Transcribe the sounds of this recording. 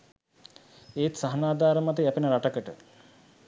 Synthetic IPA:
eːt̪saɦɐnaːd̪aːɾəmat̪əjæpenəɾaʈəkəʈə̰

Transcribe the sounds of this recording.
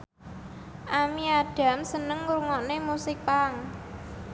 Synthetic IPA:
ʔamiaɖ̥a̤msənəŋɾuŋɔnemusɪk̚paŋ

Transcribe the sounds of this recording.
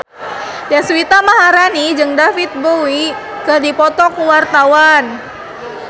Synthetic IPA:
daswit̪amaɦaɾanid͡ʒɨŋdafit̪̚bowi | kədipɔt̪ɔkuwart̪awan

